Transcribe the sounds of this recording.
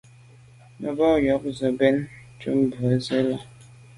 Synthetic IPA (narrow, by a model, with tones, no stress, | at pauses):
mə˨bɔ˦˨jɔ˨˦k̚zə˨bɛ˦n | t͡ʃṵ˦m˦bu˨ə˨˦ze˦la˦